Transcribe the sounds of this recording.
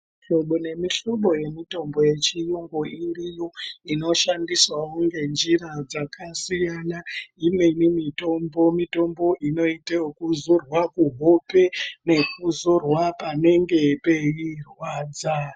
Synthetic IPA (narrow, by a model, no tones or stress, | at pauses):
iʃo̞ɓo̞ne̞miʃo̞ɓo̞je̞mito̞mbo̞je̞t͡ʃijuŋɡoirijoino̞ʃandiswauŋɡe̞nd͡ʒiɾad͡zakʰasijanaimenimito̞mbo̞mito̞mbo̞ʔino̞itaokuzorwakuɦope̞ne̞kuzorwapane̞ŋɡe̞pe̞irwaːd͡za